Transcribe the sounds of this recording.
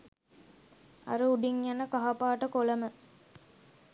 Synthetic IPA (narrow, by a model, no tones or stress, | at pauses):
ɐ̰ɾuuɖiŋjanəkaɦapaːʈəkolɐmə